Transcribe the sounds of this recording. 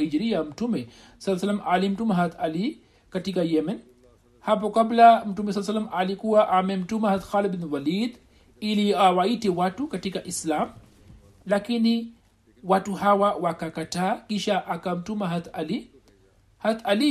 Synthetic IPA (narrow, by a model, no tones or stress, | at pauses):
hid͡ʒɾiam̩tumɛ | salːasalːamʔalim̩tumaɦat̪ali | katikajɛmɛn | hap̬ɔkablam̩tumɛsalːsalːamalikuwaʔamɛm̩tumahat̪xalibinwalid̪ | iliawaitiwatukatikaʔislam | lakini | watuɦawawakakatakiʃaʔakam̩tumaɦat̪ali | hat̪ali